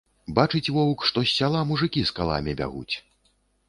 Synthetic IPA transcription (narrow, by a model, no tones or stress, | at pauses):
bat͡ʂɨt͡sʲvɔwkʂt̪ɔsʲːalˠamuʐɨkʲiskalˠa̰mʲibʲa̰ɣṵt͡sʲ